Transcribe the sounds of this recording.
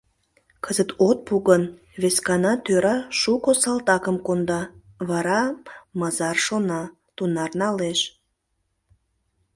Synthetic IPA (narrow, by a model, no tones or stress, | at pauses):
kʰəzət̪ot̪̚puɣən | βeskɑnɑt̪øɾɑʃukosɑlt̪ɑkəmkond̪ɑ | βɑɾɑmɑzɑrʃonɑ | t̪unɑrnɑleʃ